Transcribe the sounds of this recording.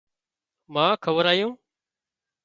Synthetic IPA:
mãːkʰəʋəɾaːjõː

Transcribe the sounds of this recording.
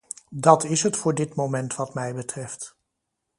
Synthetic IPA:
dɑtɪsɦətfʊːɹdɪtmowmɛntʋɑtmɛjbətrɛft

